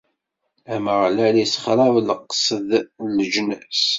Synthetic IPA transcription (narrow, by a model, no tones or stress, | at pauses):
æməʁlælisχɾˤɑwləqːsˤəðləʒnəs